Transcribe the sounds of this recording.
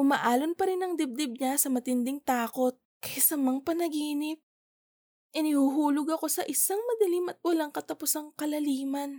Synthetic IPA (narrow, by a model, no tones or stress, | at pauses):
ʔʊma̰ʔaːlonpɐɾɪnɐŋd̪ɪb̚d̪ɪb̚ɲasɐmɐt̪ɪnd̪ɪŋt̪aːko̞t̪̚kɐjasɐmɐŋpɐnɐɡiːnɪp̚ | ʔɪnɪhuɦuːloɡɐko̞sɐʔɪsaŋmɐd̪ɐlimɐt̪̚wɐlaŋkɐt̪ɐpʊsaŋkɐlɐliːmɐn